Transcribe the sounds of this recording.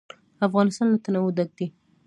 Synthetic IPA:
afɣɑnɪst̪ɑnlat̪anawʊd̪aɡ̚d̪i

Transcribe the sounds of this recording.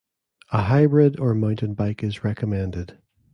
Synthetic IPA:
əɦaɪbɹɪdə˞mãʊ̃nʔɨ̃nbaɪkɪzɹɛkʰəmɛ̃ndɪd̥

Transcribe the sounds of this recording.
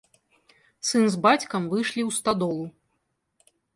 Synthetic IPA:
sɨnzbat͡sʲkɐmvɨʂlʲiwst̪ad̪ɔlˠu

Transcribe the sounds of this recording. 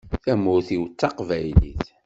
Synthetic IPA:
θæmʊɾθiwt͡sːɑqvæjlḭθ

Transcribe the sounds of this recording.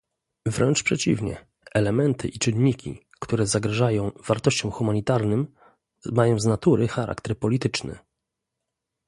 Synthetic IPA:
vɾɛnt͡ʂpʂɛt͡ɕḭvɲɛ̰ | ɛlɛmɛnt̪ʰɘ̰ʔit͡ʂɘnɲikʲḭ | kt̪uɾɛzaɡɾaʐajɔ̃w̃vaɾt̪ɔɕt͡ɕɔ̃w̃xumaɲit̪aɾnɘm | majɔ̃w̃znat̪uɾɘxaɾʔa̰kt̪ɛɾpɔlʲit̪ɘt͡ʂnɘ̰

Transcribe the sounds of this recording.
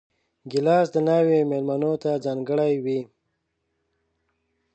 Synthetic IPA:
ɡɪlɑsd̪ənawemelmanot̪ad͡zɑːŋɡəɽajwi

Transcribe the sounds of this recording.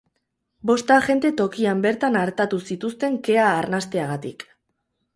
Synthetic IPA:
bo̞st̪aʝe̞nd̪e̞t̪o̞kiambe̞ɾt̪anaɾt̪at̪usit̪ust̪e̞ŋke̞aːɾnast̪e̞aɣ̞at̪ik

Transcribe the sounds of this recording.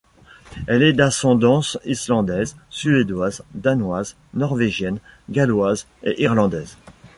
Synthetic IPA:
ɛlɛd̪asɑ̃d̪ɑ̃sislɑ̃d̪ɛzsyed̪wazd̪anwaz | nɔʁveʒjɛnɡʲalwaz | ḛʔiʁlɑ̃d̪ɛːz

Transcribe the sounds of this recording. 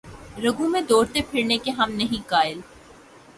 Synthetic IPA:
ɾɐɡũmẽd̪oːɽt̪epʰɪɾnekeɦɐmnɐɦĩkaːɪl

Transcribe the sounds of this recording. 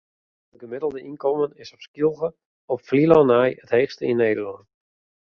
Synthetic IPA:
dəɡəmɪdəlˠdəʔinkɔmənɪsɔpskjulˠɣə | ɔpflilɔnajətheːxstəinːeːdəlɔnt

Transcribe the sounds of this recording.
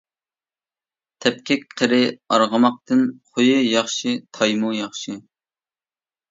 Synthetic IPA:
t̪ʰɛp̚kʲɛkʲqʰəɾɪɑɾʁəmɑq̚t̪ɨnχojɨjɑχʃit̪ʰɑjmujɑχʃɨ

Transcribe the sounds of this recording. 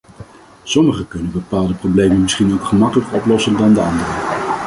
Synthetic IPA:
sɔməχəkɵnənbəpaːlˠdəprowblejmənmɪsχinowkχəmɑkələkɔplɔsəndɑndəɑndərə

